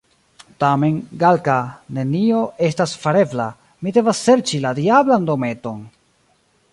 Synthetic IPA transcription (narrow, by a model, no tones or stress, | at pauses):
tame̞nɡalkane̞nio̞e̞stasfaɾe̞bla | mide̞vasːe̞ɾt͡ʃiladiablando̞me̞to̞n